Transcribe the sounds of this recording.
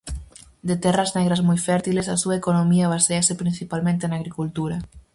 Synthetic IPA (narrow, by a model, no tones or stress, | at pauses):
d̪et̪ɛraznɛɣ̞ɾazmujfɛɾt̪ilesasuaekonomiɐβ̞aseasepɾin̟θipalmẽnt̪enaɣɾikult̪uɾɐ